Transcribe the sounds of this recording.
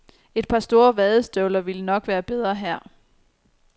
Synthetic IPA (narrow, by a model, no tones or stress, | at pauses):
e̝d̥̚pʰɑ̈sd̥o̝ːɐʋɛðˠəsd̥øʊlɐʋilənɒ̽ɡ̥ʋæːɐb̥eð̞ˠʁɐɦæɐ̰